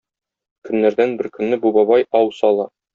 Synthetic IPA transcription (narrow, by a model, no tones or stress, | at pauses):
kɵ̆nːæɾd̪ænbɘɾkɵ̆nːɘbubɒβɑjɒwsɒlˠɑ